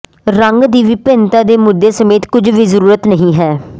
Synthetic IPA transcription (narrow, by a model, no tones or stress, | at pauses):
ɾəŋɡd̪iːʋɪpẽːnt̪ãːd̪eːmʊd̪ːeːsəmeːt̪kʊd͡ʒʋiːzəɾuːɾət̪nəɦĩːɦɛː